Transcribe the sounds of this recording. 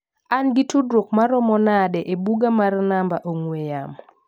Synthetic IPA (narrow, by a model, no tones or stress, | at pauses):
anɡɪtudɾokmaɾɔmɔnadɛʔebuɡamarnambaʔoŋwejam